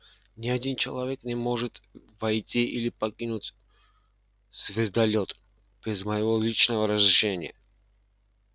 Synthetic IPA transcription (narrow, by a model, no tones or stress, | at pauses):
nʲɪɐd̪ʲint͡ɕɪlˠɐvʲeknʲɛmoʐɨt̪vɐjtʲiʔilʲɪpɐkʲinutʲ | z̥vʲɪzd̪ɐlʲot̪ | b̥ʲɛzməjɪvolʲit͡ʃnəvəɾəzɾɪʂenʲɪjə̰